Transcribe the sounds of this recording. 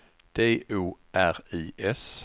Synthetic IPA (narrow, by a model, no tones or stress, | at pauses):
d̪̥eːʔuːʔæʁiːʔɛs